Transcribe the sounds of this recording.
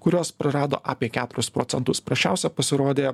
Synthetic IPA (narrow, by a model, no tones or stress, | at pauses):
kʊɾʲoːspɾɐɾɑːd̪o̰ːʔɑːpʲiɛkʲæːt̪ʊɾʲʊspɾoːt̪sʲɛnt̪ʊspɾɐʃʲt͡ʃʲæˑʊsʲɛpɐsʲɪɾoːd̪ʲeː